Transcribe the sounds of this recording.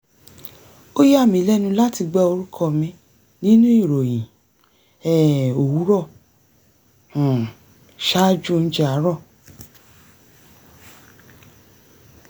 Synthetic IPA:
o˦ji˦a˦˨mĩ˨˦lɛ˦nũ˧la˦ti˧ɡ͡bɛ˦o˧ɾu˦kʰɔ˧mĩ˧ | nĩ˦nũ˦i˦˨ɾo˨jĩ˨ | ɛ˦˨o˨wu˨˦ɾɔ˦˨ | ʃa˦d͡ʒũ˦˧n̩˦d͡ʒɛ˦a˨˦ɾɔ˦˨

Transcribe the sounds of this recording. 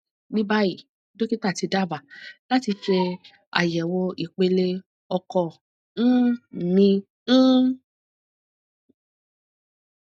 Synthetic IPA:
nĩ˦ba˦ji˦˨ | do˦ki˦ta˦˨ti˧da˦˨ba˨la˦ti˧fe˧ | a̰˨jɛ˨wo˧i˨k͡pe˧le˧ | ɔ˧kɔ˧˨ | n̩˦˨nĩ˧ | n̩˦

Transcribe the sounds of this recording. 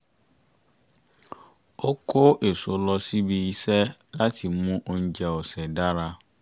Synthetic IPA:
o˦kʰo˦ʔe˨so˨˦lɔ˧si˦bi˧i˧sɛ˦la˦ti˧mũ˦ʔo˧n̩˦d͡ʒɛ˨ɔ˨sɛ˨da˦ɾa˧

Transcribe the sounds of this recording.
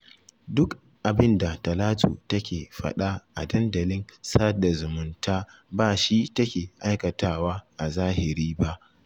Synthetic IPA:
dʊ˦k | ʔa˨bɪ˦nda˨tɐ˨laː˦tʰṵː˨tɐ˦kʲeː˨ɸɐ̰˦ɗa˦ʔa̰˨dɐ˦ndɐ˨lɪ˦nsaː˦da˨zʊ˨mʊ˨ntʰaː˦baː˨ʃi˦tɐ˦kʲeː˨ʔa˦jkɐ˨taː˦˨waː˦ʔa˨zaː˦hɪ˨ɾiː˦ba˦ʔ

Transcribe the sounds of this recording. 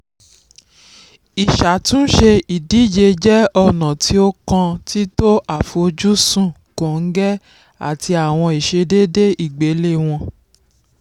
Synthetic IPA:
i˨ʃa˨tũ˦ʃe˧i˨di˨˦d͡ʒe˧d͡ʒɛ˦ɔ˧nã˨ti˦o˦kã˧ti˦to˦ʔa˦˨fo˧o˧d͡ʒu˦sũ˦˨ | kõ˨ŋ̩˦ɡɛ˦ | a̰˦˨tʰi˧a˨w̃ɔ̃˧i˨ʃe˧de˦de˦i˦˨ɡ͡be˨˦le˦˨w̃ɔ̃˧

